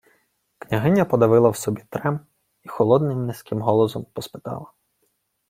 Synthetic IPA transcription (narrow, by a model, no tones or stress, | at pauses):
knʲɐɦɪnʲːɐpɔd̪ɐʋɪlˠɐwsɔbʲit̪ɾɛm | ixɔlˠɔd̪nɪmːʲisʲkɪmɦɔlˠɔzɔmpɔspɪ̥t̪ɑ̰lˠɐ